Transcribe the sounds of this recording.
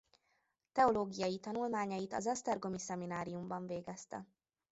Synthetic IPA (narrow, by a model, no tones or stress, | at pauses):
t̪ɛoloːɡijɒjit̪ɒnulmaːɲɒjit̪ɒ̰zɒst̪ɛrɡo̞misɛminaːɾijumbɒɱveːɡɛst̪ɛ̰